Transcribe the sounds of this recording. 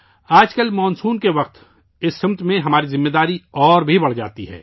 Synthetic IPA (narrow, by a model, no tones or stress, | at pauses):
aːd͡ʒkəlmɔːnsuːnkeʋɐq̚t̪ | ɪsːɪmt̪mẽɦɐmaːɾizɪmːeːd̪aːɾiɔːɾbʱibɐɽ̤d͡ʒa̰ːt̪iɦɛ̰ː